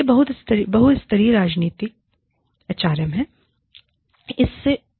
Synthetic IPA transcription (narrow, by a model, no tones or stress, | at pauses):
ebɐɦʊt̪ɪst̪əɾibɐɦʊt̪ɪst̪əɾiɾaːd͡ʒniːt̪ɪk | ɐt͡ʃaːɾjəmɦɛː | ɪsːe